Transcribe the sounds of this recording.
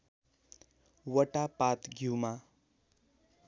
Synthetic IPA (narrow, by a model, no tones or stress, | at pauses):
wʌʈapat̪ɡʱiwma